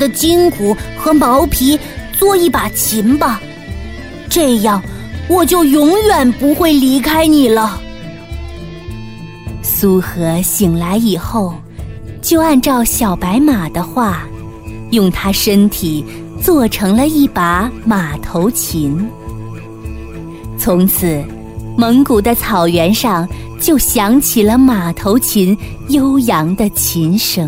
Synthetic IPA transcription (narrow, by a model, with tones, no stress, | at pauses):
d̪ə˨t͡ɕi˥ŋku˨˧˥xɤ˧˥mɑ˧˥ʊpʰi˧˥ | t͡swɔ˥˧i˥˩pa˨˩t͡ɕʰi˧˥nbɐ˧ | ʈ͡ʂɤ˥˧jɑ˥˩ŋwɔ˨˩t͡ɕjo˥˩ʊjʊ˧˥ŋjɥɛ˨˩npu˧˥xwe˥˩ɪli˧˥kʰa˥ɪni˨˩lə˦ | su˥xɤ˧˥ɕi˨˩ŋla˧˥ɪi˨˩xo˥˩ʊ | t͡ɕjo˥˧ʊa˥˧nʈ͡ʂɑ˥˩ʊɕjɑ˨˩ʊpa˧˥ɪma˨˩d̪ə˦xwa˥˩ | jʊ˥˩ŋt̪ʰa˥ʂə˥nt̪ʰi˨˩ | t͡swɔ˥˩ʈ͡ʂʰɤ˧˥ŋlə˧i˥˩pa˧˥ma˨˩t̪ʰo˧˥ʊt͡ɕʰi˧˥n | t͡sʰʊ˧˥ŋt͡sʰɹ̩˨˩˦ | mə˧˥ŋku˨˩d̪ə˦t͡sʰɑ˨˩ʊɥɛ˧˥nʂɑ˥˧ŋ | t͡ɕjo˥˩ʊɕjɑ˧˥ŋt͡ɕʰi˨˩lə˦ma˨˩t̪ʰo˧˥ʊt͡ɕʰi˧˥n | jo˥ʊjɑ˧˥ŋd̪ə˧t͡ɕʰi˧˥nʂɤ˨˥ŋ